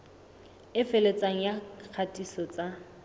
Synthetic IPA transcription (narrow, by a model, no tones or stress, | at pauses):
ɪfelet͡sʼaŋ̩jak͡xʰatʼisɔt͡sʼa